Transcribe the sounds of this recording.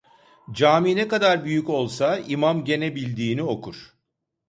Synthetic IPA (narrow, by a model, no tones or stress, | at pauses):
d͡ʒaːminekad̪aɾbyjyco̞lˠsaimamɟe̞nebilʲd̪iːnio̞kʰuɾ̝̥